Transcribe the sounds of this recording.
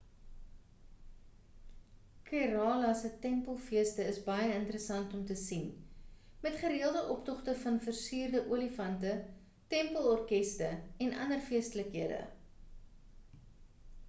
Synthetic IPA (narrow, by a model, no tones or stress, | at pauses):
kiɾɑːlɐsətɛmpəlˠfiəstəəsbɐjəəntəɾəsɐntɔmtəsin | mɛtχəɾiəlˠdəʔɔptɔχtəfɐnfərsyːrdəʔuəlifɐntə | tɛmpəlˠɔrkɛstəɛnɐ̰nərfiəstələkɦiədə̰